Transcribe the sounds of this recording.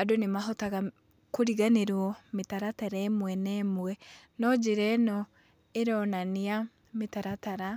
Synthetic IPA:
adonemaɦotaɣa | koɾiɣaneɾwɔmetaɾataɾaːmwɛnɛːmwɛnɔd͡ʒeɾɛnɔ | eɾɔnania | metaɾataɾa

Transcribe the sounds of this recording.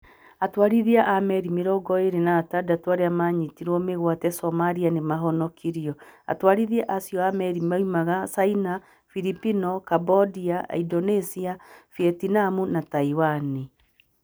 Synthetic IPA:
atwaɾiðiaʔamɛɾimeɾɔɡɔeɾenaːtadatwaɾeamaːɲitiɾɔmeɣwatɛsɔmaɾianemaɦɔnɔkʰiɾiɔa̰twaɾiðiɛʔasiɔamɛɾimaimaɣasaina | fiɾipinɔkabɔdiaidɔnesiafiɛtinamunataiwani

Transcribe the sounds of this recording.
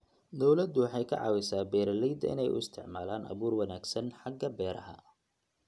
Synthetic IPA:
d̪ɔwlɐd̪ʊwɑħɑjkʰɐ̰ʕɑ̰ːwɛsaːbɛːɾɐlɛjd̪ɐ̰ʔɪ̰nɛ̰jʔʊ̰ɪst̪ʰɪ̰ʕmaːlaːnʔɐ̰βuːrwɐnaːɡsɐnħɑɡːɐbɛːɾɐ̰ɦɐ̰

